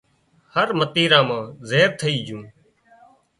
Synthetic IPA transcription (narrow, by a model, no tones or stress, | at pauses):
həɾmət̪iːɾãːmãːzeːɾ̚t̪ʰəiːd͡ʒũː